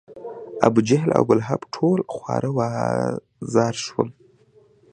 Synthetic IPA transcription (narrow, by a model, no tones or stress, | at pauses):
a̰bud͡ʒaɦlʔa̰wɡʊlɦabʈʰolxwɑ̰ɾʔəwɑ | zɑɾʃwə̰l